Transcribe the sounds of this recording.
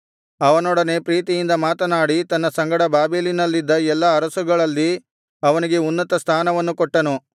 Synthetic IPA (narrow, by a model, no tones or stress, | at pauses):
ɐʋɐnɔːɽɐne̞pɾiːt̪ijind̪ɐmaːt̪ɐnaːɽit̪ɐnːɐsɐŋɡɐɽɐbaːbeːlinɐlːid̪ːɐɛlːɐːɾɐsuɡɐɭɐlːi | ɐʋɐniɡe̞unːɐt̪ɐst̪ʰaːnɐʋɐnːukɔʈːɐnu